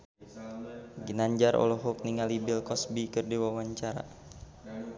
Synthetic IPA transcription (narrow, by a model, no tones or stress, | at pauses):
ɡinaɲd͡ʒaɾʔɔ̰lɔɦɔk̚niŋalibilkɔsbikɨrdiwawaɲt͡ʃaɾa̰